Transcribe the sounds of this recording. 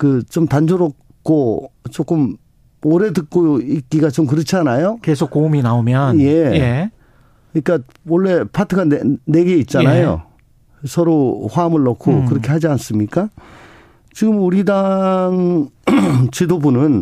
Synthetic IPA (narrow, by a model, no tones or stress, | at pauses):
kɯt͡ɕomtand͡ʑoɾok̚ | k͈ot͡ɕok͈ɯm | oɾe̞dɯk̚k͈ojoik͈iɡat͡ɕomkɯɾɯt͡ɕʰianajokes̬ʰok͈ːouminaomjʌnje̞e | ɲik͈a | wʌɭːe̞pʰatʰɯɡanene̞ɡe̞it̚t͡ɕ͈anajo̰ | sʰʌɾoɸwamɯɭːʌkʰokɯɾʌkʰe̞had͡ʑians͈ɯmɲik͈a | t͡ɕiɡɯmuɾidaŋ | t͡ɕidobunɯn